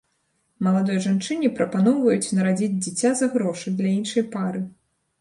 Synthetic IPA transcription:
mɐlˠad̪ɔjɐʐant͡ʂɨnʲipɾɐpanɔwvɐjut͡sʲnɐɾad͡zʲid͡zʲd͡zʲit͡sʲazɐɣɾɔʂɨd̪lʲɐinʂɐjpaɾɨ

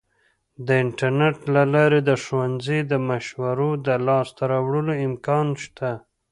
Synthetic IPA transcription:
d̪əɪɳʈaɾneʈlalɑɾed̪əʃowanzid̪əmaʃwaɾod̪əlɑst̪aɾɑwɽəloɪmkɑnʃt̪ʰa

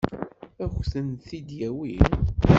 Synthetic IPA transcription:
æxθənθid̪jæwin

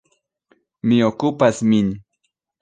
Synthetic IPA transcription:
mɪokʊpasmɪn

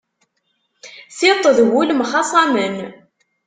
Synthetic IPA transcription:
θɪt̪ˤːəðwulmχɑsˤɑmən

